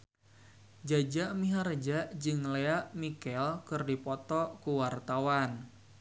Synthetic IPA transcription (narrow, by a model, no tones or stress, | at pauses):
d͡ʒad͡ʒaʔmiɦaɾd͡ʒaʔd͡ʒɨŋleaʔmikɛlkɨrdipɔt̪ɔʔkuwart̪awan